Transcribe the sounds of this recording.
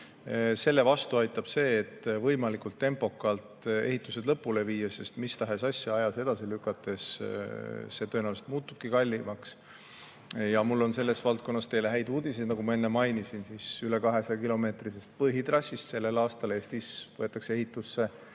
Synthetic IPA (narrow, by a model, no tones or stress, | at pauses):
se̞lːe̞vɑst̪uɑjt̪ːˑɑb̥se̞ːt̪ːvɤ̞jmɑlikult̪ːe̞mpo̞kːˑɑlt̪e̞hit̪ːˑuse̞d̪̥lɤpːˑule̞viːjɑse̞st̪mist̪ɑɦe̞sɑsʲjɑɑjɑse̞d̪̥ɑsilykˑːɑt̪ːˑe̞s | se̞t̪onæːwluse̥t̪muːt̪ːub̥̚kikɑlʲːimɑks | jɑmulːo̞nse̞lːe̞svɑlt̪̚ko̞nːɑst̪e̞jleɦæjd̪uːd̪̥ised̪nɑɡ̥umɑe̞nːemɑjnisinsisyle̞kɑɦe̞sɑjɑkilo̞me̞ːt̪risest̪̚pɤɦit̪rɑsːist̪se̞lːe̞lɑːst̪ɑle̞ːst̪isvɤet̪ːˑɑksee̞ɦit̪ːˑusːe̞